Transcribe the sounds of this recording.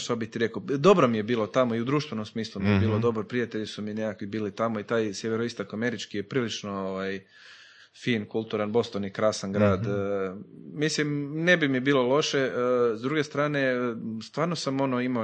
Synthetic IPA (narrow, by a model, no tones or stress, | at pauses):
ʃt̪abit̪iɾe̞kad̪o̞bɾomije̞biːlˠo̞t̪amo̞iud̪ɾuːʃt̪ʋe̞no̞msmiːslˠumijebiːlˠo̞d̪o̞bɾopɾijat̪e̞ʎisumine̞kakʋibiːlit̪amo̞it̪aːjsjeʋe̞ɾoist̪okame̞ɾit͡ʃkijepɾiːlit͡ʃnooʋaj | fiːnkulˠt̪uɾanbo̞st̪onikɾaːsanɡɾaːd̪ | mislimne̞bimiebiːlˠo̞lo̞ʃezd̪ɾuːɡe̞st̪ɾaːne̞st̪ʋaːɾnosamo̞noima